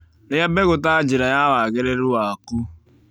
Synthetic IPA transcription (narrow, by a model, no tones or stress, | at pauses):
ɾabeɣʊtaad͡ʒɪɾajawaaɡeɾeɾʊwaaku